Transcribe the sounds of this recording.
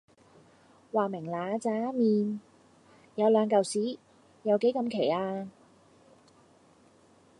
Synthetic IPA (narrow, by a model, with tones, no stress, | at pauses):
waː˨˩mɪ˨˩ŋlaː˨˧t͡saː˨˥miː˨˧n | jɐ˨˧wlœː˨˧ŋkɐ˨wsiː˨˥ | jɐ˨˧wke˨˥jkɐ˧mkʰe˨˩jaː˧